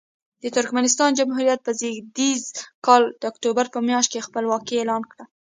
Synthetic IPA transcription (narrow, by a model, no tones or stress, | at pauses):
d̪ət̪ʊɾkmanɪst̪ɑnd͡ʒamɦuɾjat̪̚pəziɡd̪izkɑld̪̥əakt̪obaɾpəmjɑʃt̪kexpəlwɑkielɑnkɽə